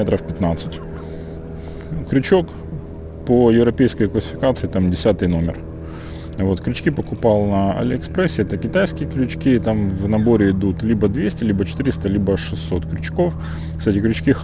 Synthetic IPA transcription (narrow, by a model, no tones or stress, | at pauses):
et̪ɾəfpʲɪt̪nat̪sɨtʲ | kɾʲʉt͡ɕo̞k | pəjɪvɾɐpʲejskəjklˠəsʲɪ̥fʲɪkat̪sɨɪt̪amdʲɪsʲat̪ɨjno̞mʲɪ̰r | vo̞t̪klʲʉt͡ɕʲkʲipəkʊpɑlˠnɐɐ̰lʲɪɪkspɾɛsʲɪɛt̪əkʲɪt̪ajskʲɪjəklʲʉt͡ɕkʲit̪amvnɐbo̞ɾʲɪɪd̪ut̪lʲibəd̪vʲesʲtʲɪlʲibət͡ɕɪ̥t̪ɨɾʲɪst̪əlʲibəʂɨsːo̞t̪kɾʲʉt͡ɕko̞f | kst̪atʲɪklʲʉt͡ɕkʲix